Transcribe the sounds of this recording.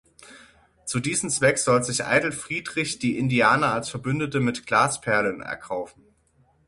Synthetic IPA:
t͡sudiːzəm̩t͡sv̥ɛkz̥ɔlzɪçʔa̰ɪdl̩fʁ̥iːdʁɪçd̥iːʔɪndiaːnɐalsfɛɐbʏndətəmɪtɡ̥laːspʰɛɐlənɛ̰ɐkʰaʊfn̩

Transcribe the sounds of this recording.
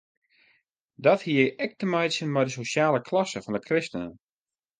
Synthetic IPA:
dɔthiəjɛk̚təmɛjsənmɛjdəsoʃjaːləkʰlɑsəfɔndəkrɪstənə

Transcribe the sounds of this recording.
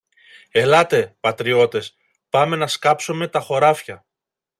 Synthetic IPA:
e̞lɐt̪e̞pɐt̪ɾio̞t̪e̞s | pɐme̞nɐskɐpsome̞t̪ɐxo̞ɾɐfçɐ

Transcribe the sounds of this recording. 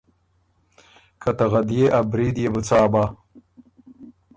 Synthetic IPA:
kʰɐt̪ɐɣɐd̪jeʔɐbɾid̪jebɨt͡saːba

